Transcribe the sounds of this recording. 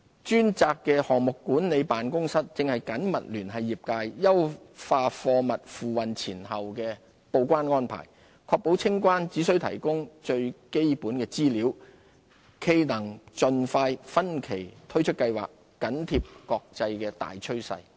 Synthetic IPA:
t͡ʃyː˥nt͡saː˧kːɛː˧hɔː˨ŋmʊ˨kːuː˨˥nne˨˧jpaː˨nkʊ˥ŋsɐ˥t̚t͡sɪ˨˧ŋhɐ˨jkɐ˨˥nmɐ̰˨t̚lyː˨˩nɦɐ˨jːiː˨p̚kaː˧jːɐ˥wfaː˧fɔː˧mɐ˨t̚fuː˨˩wɐ˨nt͡sʰiː˨˩nɦɐ˨wkɛː˧ | po˨˧wkʷaː˥nŋɔː˥npʰa̰ː˨˩j | kʰɔː˧k̚po˨˥wt͡sʰɪ˥ŋkʷaː˥nt͡siː˨˥sɵ˧˥ɥt̪ʰɐ̰˨˩jkʊ˥ŋt͡ʃɵ˧ɥke˥jpuː˨˥nkɛː˧t͡siː˥liː˨˥w | kʰe˧jnɐ˨˩ŋt͡ʃɵ˨nfaː˧jfɐ˥nkʰe˨˩jt̪ʰɵ˥ɥt͡ʃʰɵ˥t̚kɐ˧jwa̰ː˨k̚ːɐ˨˥nt̪ʰiː˧p̚kɔː˧k̚t͡sɐ˧jkɛː˧t̪a̰ː˨jt͡ʃʰɵ˥ɥsɐ̰˧j

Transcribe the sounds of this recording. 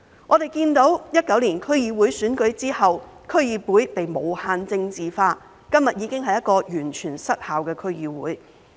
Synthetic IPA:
ŋʔɔː˨˧t̪e˨jkiː˧nt̪o˨˥wjɐ˥t̚kɐ˨˥wliː˨˩nkʰɵ˥ɥjiː˨˧wuː˨˥jsyː˨˥nkɵ˨˥ɥt͡siː˥hɐ˨wkʰɵ˥ɥjiː˨˧pwuː˨˥jpe˨jmo˨˧whaː˧nt͡sɪ˧ŋt͡siː˨faː˧ | kɐ˥mjɐ˨t̚jiː˨˧kɪ˥ŋɦɐ˨jɐ˥t̚kɔː˧jyː˨˩nt͡ʃʰyː˨˩nsɐ˥t̚haː˨wkɛː˧kʰɵ˥ɥjiː˨˧wṵː˨˥j

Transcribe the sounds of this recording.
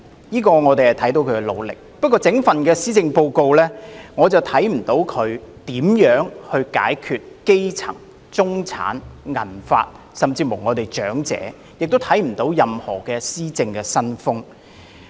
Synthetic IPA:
jiː˥kɔː˧ŋɔː˨˧t̪e˨jhɐ˨˩jt̪ʰɐ˨˥jt̪o˧wkʰɵ˨˧kɛ˧lo̰˨˧wlɪ̰˨k̚pɐ˥t̚kːɔː˧t͡sɪ˨˥ŋfɐ˨nkɛː˧siː˥t͡sɪ˧ŋpo˧wko˧wlɛː˥ŋɔː˨˧t͡sɐ˨wt̪ʰɐ˨˥jm̩˨˩t̪o˨˥wkʰɵ˨˧ɥt̪iː˨˥mjœː˨˥ŋhɵ˧ɥka̰ː˨˥jkʰyː˨˧t̚ke˥jt͡sʰɐ˨˩ŋ | t͡sʊ˥ŋt͡sʰa̰ː˨˥nŋɐ̰˨˩nfa̰ː˧t̚ | sɐ˨mt͡siː˧mo˨˩wŋɔː˨˧t̪e˨jt͡ʃœː˨˥ŋt͡sɛ̰ː˨˥ | jɪ˨k̚t̪o˥wt̪ʰɐ˨˥jm̩˨˩t̪o˨˥wjɐ˨mhɔ̰ː˨˩kɛː˧siː˥t͡sɪ˧ŋkɛː˧sɐ˥nfʊ˥ŋ

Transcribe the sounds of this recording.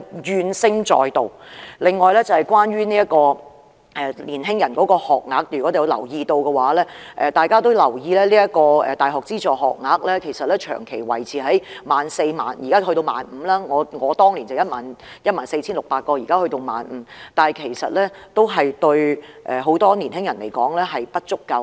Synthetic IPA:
jyː˨˧nsɪ˥ŋt͡ʃɔ̰ː˨jt̪o˨˧wlɪ˨ŋːɔː˨jlɛː˥t͡sɐ˨hɐ˨˩jkwaː˥nɥyː˥niː˥jɐ˥t̚kɔː˧ | ʔɛː˨˩liː˨˩nɦɪ˥ŋjɐ˨˩nkɔː˨˥kɔː˧hɔː˨k̚ŋaː˨˥k̚t̪ɥɔː˨˥e˨jʊ˨˧wlɐ̰˨˩wjiː˧t̪o˧wkɛ˧waː˨˥lɛː˥ʔɛ˨˧t̪aː˨jkaː˥t̪o˥wlɐ˨˩wjiː˧lɛː˥liː˥jɐ˥t̚kɔː˧ɛ̰ː˨t̪aː˨jɦɔː˨k̚t͡siː˥t͡sɔː˨˩ɦɔ̰ː˨k̚ŋaː˨˥k̚lɛː˥kʰe˨˩jsɐ˨t̚lɛː˥t͡ʃʰœ̰ː˨˩ŋkʰe˨˩jwɐ̰˨˩jt͡sʰiː˨˩ɦɐ˨˥jmaː˨nse˧jma̰ː˨njiː˨˩kaː˥hɵ˧ɥt̪o˧wma̰ː˨nm̩˨˧˦laː˥ŋɔː˨˧ŋɔː˨˧t̪ɔː˥ŋli˨˩nt͡sɐ˨˩wjɐ˥t̚maː˨njɐ˥t̚maː˨nse˧t͡sʰiː˥nlʊ˨k̚paː˧t̚kɔː˧jiː˨˩kaː˥hɵ˧jt̪o˧wma̰ː˨˥nm̩˨˦t̪aː˨˩kʰe˨˩jsɐ˨t̚lɛː˥t̪o˥wɦɐ˨jt̪ɵ˧ɥʔɛː˨ɦo˨˥wt̪ɔː˥niː˨˩nhɪ˥ŋjɐ˨˩nle˨˩jkɔ̰ː˨˥ŋlɛː˥ɦɐ˨jpɐ˥t̚t͡ʃʊ˥kːɐ˧w

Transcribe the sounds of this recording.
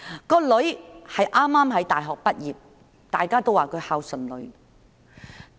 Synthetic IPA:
kɔː˧lɵ˨˧˥ɥhɐ˨jʔaː˥mːaː˥mɦɐ˨˥jt̪aː˨˩jɦɔː˨k̚pɐ˥t̚jiː˨p̚ | t̪a̰ː˨jkaː˥t̪o˥waː˨˩kʰɵ˨˧ɥhaː˧wsɵ˨˩nlɵ˨˧ɥ

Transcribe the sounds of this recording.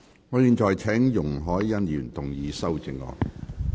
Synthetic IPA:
ŋɔː˨˧jiː˨˧nt͡ʃɔː˨˩jt͡sʰɛː˨˥ŋjʊ˨˩ŋɦɔː˨˥jːɐ˥njyː˨˩nt̪ʊ˨˩ŋjiː˨˧sɐ˥wt͡sɪ˨˧ŋːɔ̰ː˨˧˥k

